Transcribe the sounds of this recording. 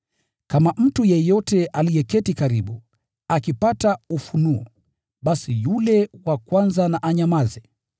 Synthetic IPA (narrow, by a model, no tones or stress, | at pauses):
kamam̩tujɛjɔtɛʔalijɛkɛtikaɾiɓu | akipataufunuɔ̰ | ɓasijulɛwakwanzanaʔaɲamazɛ